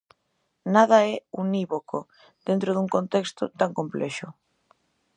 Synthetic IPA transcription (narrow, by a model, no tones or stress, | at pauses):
nað̞ɐɛuniβoko | ð̥ent̪ɾoðuŋkont̪ɛkst̪ʊt̪aŋkomplɛʃʊ